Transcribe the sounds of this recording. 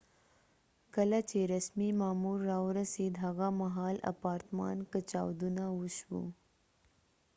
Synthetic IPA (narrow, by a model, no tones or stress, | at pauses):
kɐlat͡ʃeɾɐsmimaːmuɾːawɾased̪ʱɦaɣamaɦɑːla̰pɑːɾt̪mɑ̰ːnkət͡ʃa̰ːwd̪unawʊʃwṵ